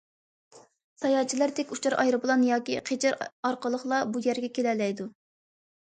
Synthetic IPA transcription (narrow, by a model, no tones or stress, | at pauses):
sɑjɑːt͡ʃʰilæɾd̪ɛkʲut͡ʃʰɑɾʔɑ̰jɾɨblˠɑnjɑːkʲiqʰet͡ʃʰɪɾɑɾqəlˠəχlˠɑbujæɾɡʲɛkʲʰelɛlɛjd̪u